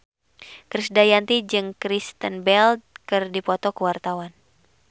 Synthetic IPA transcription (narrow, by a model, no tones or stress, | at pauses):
kɾisdajant̪id͡ʒɨŋkɾist̪ənbɛld̪̚kɨrdipɔt̪ɔkəwart̪awan